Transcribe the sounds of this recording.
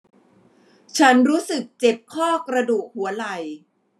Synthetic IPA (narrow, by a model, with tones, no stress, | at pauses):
t͡ɕʰa˦˥nɾuː˦˥sɯ˨˩k̚t͡ɕe˨˩p̚kʰɔː˥˩kɾa˧duː˨˩k̚hu˩˦ɐla˨˩j